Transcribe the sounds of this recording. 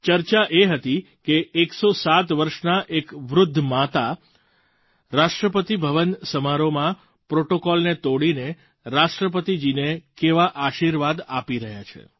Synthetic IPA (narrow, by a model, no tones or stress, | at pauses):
t͡ʃəɾt͡ʃaʔeɦət̪i | keːksosat̪ʋəɾʃnaʔekʋɾʊd̪ʱːmat̪a | ɾaʃʈɾəpət̪ibʱəʋənsəmaɾomã | pɾoʈokɔlnet̪oɽine | ɾaʃʈɾəp̬ət̪id͡ʒinekeʋaʔaʃiɾʋad̪apiɾəɦja̰t͡ʃʰḛ